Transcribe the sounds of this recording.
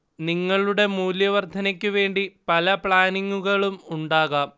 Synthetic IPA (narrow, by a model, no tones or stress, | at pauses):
niŋːɐɭuɽe̞muːljɐʋɐrd̪ʱɐnɐkʲːuʋe̞ːɳɖipɐlɐpɭaːniŋːuɣɐɭumuɳɖaːɣaːm